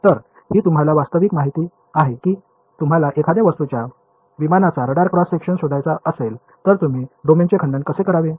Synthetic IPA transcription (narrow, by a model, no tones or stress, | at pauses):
t̪əɾ | ɦiːt̪um̤alaʋast̪əʋikmaɦit̪iː | aɦekiː | t̪um̤alaʔekʰad̪aʋəst̪ut͡ɕja | ʋimanat͡saɾəɽaɾkɾɔsːekʂənsod̪ʱajt͡saəsel | t̪əɾt̪um̤iːɖomint͡ɕekʰəɳɖãnkəsekəɾaʋe